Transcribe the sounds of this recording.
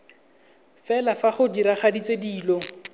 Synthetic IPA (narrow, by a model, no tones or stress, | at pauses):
fɛlafaχʊdiɾaχadit͡sediːlɔ